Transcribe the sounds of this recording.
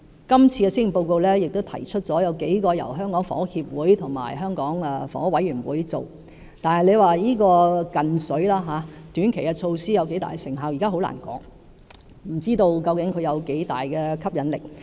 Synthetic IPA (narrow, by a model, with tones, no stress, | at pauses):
kɐ˥mt͡sʰiː˧kɛ˧si˥ŋi˨˩po˧wko˧wlɛː˥jɪ˨k̚t̪o˥wt̪ʰɐ˨˩jt͡ʃʰɵ˥t̚t͡sɔː˨˥jɐ˨˧wke˨˥jkɔː˧jɐ̰˨˩wɦœː˥ŋkɔː˨˥ŋfɔ̰˨˥hiː˧p̚wuː˨˥jt̪ʰʊ˨˩ŋma̰ː˨˩jɦœː˥ŋkɔː˨˥ŋɛ˨˩fɔ̰˨˥wɐ˨˥jyː˨˩nwuː˨˥jt͡so˨w | t̪aː˨nhɐ˨jle˨˧jwaː˨jiː˥kɔː˧kɐ˨nsɵ˨˥ɥlaː˥ɦaː˨˧˦t̪yː˨˥nkʰe˨˩jkɛ˧t͡ʃʰo˧wsiː˥jɐ˨˧wke˨˥jt̪a̰ː˨jɡɛ˧sɪ˨˩ŋɦaː˨wji˨kaː˥ɦo˨˥wla̰ː˨˩nkɔ̰ː˨˥ŋ | m̩˨˩t͡siː˥t̪o˧wkɐ˧wkɪ˨˥ŋkʰɵ˨˧ɥjɐ˨˧wke˨˥jt̪a̰ː˨jkɛː˧kʰɐ˥p̚jɐ˨˥nlɪ̰˨˩k̚